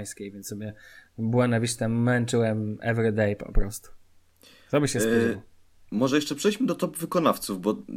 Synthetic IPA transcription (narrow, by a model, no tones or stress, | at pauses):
jskʲejvʲjɛnt̪sɔbʲjɛbuwɛnavʲiʂt̪ɛmːɛnt͡ʂɘwɛmɛ̰vɾɘd̪ɛjpɔ̰pɾɔst̪u̥ | t̪ɔbɘɕɛst̪w | mɔʐɛjɛʂt͡ʂɛpʂɛjd͡ʑmɘd̪ɔt̪ɔpvɘkɔnaft̪suvbɔ